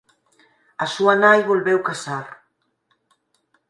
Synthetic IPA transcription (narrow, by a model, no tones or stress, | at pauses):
asuanajβolβɛwkasaɾ